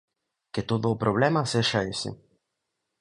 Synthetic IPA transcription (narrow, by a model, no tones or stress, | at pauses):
kɛt̪od̪opɾoblɛmasɛʃaisḭ